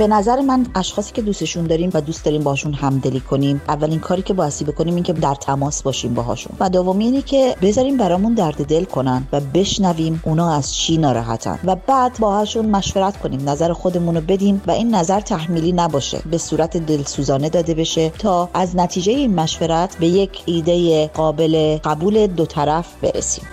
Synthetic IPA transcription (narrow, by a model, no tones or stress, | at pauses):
b̥e̞næzæɾemænæʃxɒːsi̥ːcʰe̞d̪uːst̪e̞ʃund̪ɒːɾiːmvæd̪uːst̪d̪ɒːɾiːmbɒhɒːʃunhæmd̪e̞liːkʰo̞nimʔævːælinkʰɒːɾiːcʲʰe̞bɒːjest̪iːbe̞kʰo̞niːmiːnkcʰe̞d̪æɾt̪ʰæmɒːsbɒːʃimbɒ̰ɦɒ̰ːʃṵnvæd̪ovomiiːnecʰe̞be̞zɒːɾiːmbæɾɒːmund̪æɾd̪e̞d̪e̞lkʰo̞nænvæbe̞ʃnæviːmʔunɒːæz̥t͡ʃʰiːnɒːɾɒ̰ːɦæ̰t̪ʰæ̰nvæbæːd̪bɒːhɒːʃunmæʃveɾæt̪kʰo̞niːmnæzæɾexo̞d̪e̞munobe̞d̪imvæʔiːnːæzæɾt̪ʰæhmiːliːnæbɒːʃḛbe̞suːɾæt̪ʰed̪e̞lsuːzɒːne̞d̪ɒːd̪e̞be̞ʃe̞t̪ʰɒːæznæt̪ʰiːd͡ʒe̞jeiːnmæʃveɾæt̪ʰbe̞je̞cʰiːd̪ejeɢɒːbe̞le̞ɡæbuːle̞d̪ot̪ʰæɾæfbe̞̰ɾḛsi̥̰ːm